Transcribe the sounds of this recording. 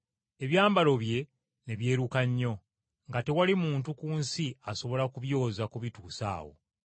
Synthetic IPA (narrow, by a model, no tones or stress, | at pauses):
e̞βjaːmbalo̞βje̞ | ne̞βje̞ːɾukaɲːo̞ | ŋɡate̞walimuːntukuːnsiaso̞βo̞lakuβjo̞ːzakuβituːsa̰ːwo̞̰